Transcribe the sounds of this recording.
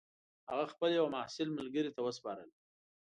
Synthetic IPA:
haɣaxpəljawamahsɪlməlɡəɾit̪awəspɑɾəl

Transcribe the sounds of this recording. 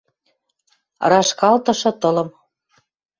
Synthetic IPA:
rɑʃkɑlt̪ɤ̆ʃɤ̆t̪ɤlɤ̆m

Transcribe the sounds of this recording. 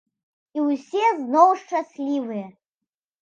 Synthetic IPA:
iwsʲɛznɔwʂt͡ʂasʲlʲivɨjɛ

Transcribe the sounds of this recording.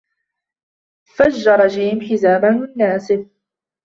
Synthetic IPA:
fad͡ʒːɑɾˤd͡ʒiːmħɪzaːbanɪnːaːsɪb

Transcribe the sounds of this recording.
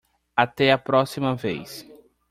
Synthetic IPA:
at̪ɛɐpɾɔsimɐvḛjs

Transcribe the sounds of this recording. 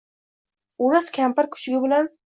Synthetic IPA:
uɾaskʲʰampaɾkʲʰʊ̥t͡ʃɡʲɪbɪlan

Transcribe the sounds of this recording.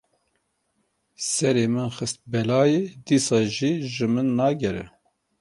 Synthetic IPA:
sɛɾeːmɨnxɨst̪̚bɛlɑːjed̪iːsɑːʒiːʒɨmɨnːɑːɡɛɾɛ̰

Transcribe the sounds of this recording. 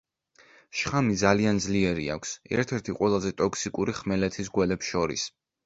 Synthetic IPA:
ʃχamid̪zaliand̪zliɛɾia̰kʷʰsɛ̰ɾt̪ʰɛɾt̪ʰiqʼwɛlˠazɛt̪ʼɔksikʼuɾiχmɛlɛt̪ʰisɡwɛlɛpsʃɔɾḭs

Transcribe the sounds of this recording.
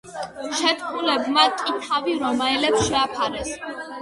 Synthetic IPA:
ʃɛt̪ʰkʰulɛbmakʼit̪ʰaviɾɔmaɛlɛpsʃɛapʰaɾɛs

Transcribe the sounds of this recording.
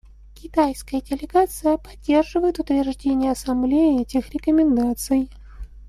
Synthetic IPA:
kʲɪt̪ajskəjədʲɪlʲɪɡat̪sɨjəpɐdʲːerʐɨvəjɪt̪ʊt̪vʲɪrʐdʲenʲɪjəɐsɐmblʲejəɛtʲɪxɾʲɪkəmʲɪnd̪at̪sɨj

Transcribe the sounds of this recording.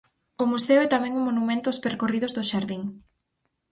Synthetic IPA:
ʊmuseoɛt̪amɛ̃ŋuŋmonumẽnt̪ʊspeɾkorið̞ʊzðʊʃaɾðiŋ

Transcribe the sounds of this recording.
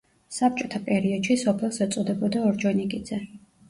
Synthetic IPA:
sap̚t͡ʃʼɔt̪ʰapʼɛɾiɔd̪̥ʃisɔpʰɛlˠsɛt̪sʼɔd̪ɛbɔd̪aɔɾd͡ʒɔnikʼid̪z̥ɛ

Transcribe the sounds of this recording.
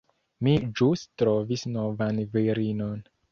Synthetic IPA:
mid͡ʒustɾovisnovanviɾinon

